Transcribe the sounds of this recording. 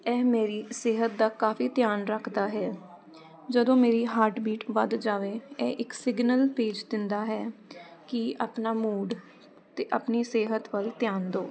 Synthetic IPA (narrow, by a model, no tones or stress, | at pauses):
ɛːmeːɾiːseːɦət̪̚d̪aːkaːfiːt̪ɪjaːnɾəkʰd̪aːɦɛː | d͡ʒəd̪õːmeːɾiːɦaːɾʈbiːʈʋəd̪d͡ʒaːʋeːɛːʔɪksɪɡnəlpeːd͡ʒd̪ɪnd̪aːɦɛːkɪəpnaːmuːɖ | t̪eʔəpniːseːɦət̪ʋəlt̪jaːnd̪oː